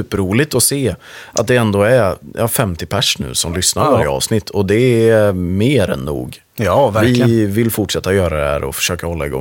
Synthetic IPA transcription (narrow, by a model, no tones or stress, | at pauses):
ʉːpəɾuːlɪt̪ɔseːʔa̰t̪̚d̪ɛɛnd̪oːæɾjɑːfɛmt̪ɪpʰæʂnʉ̟̰ːsɔmlʏsnaɾaːɾjaɑ̰ːvsnɪt̪ʰːɔd̪ɛ | meːɾɛ̰nːṵːɡ | jɑvæɾvɪvɪlfʊʈʂɛt̪ːajœːɾad̪ɛhæ̰ːɾʔɔ̰fœ̥ʂøːkahɔlːaɪɡɔ̰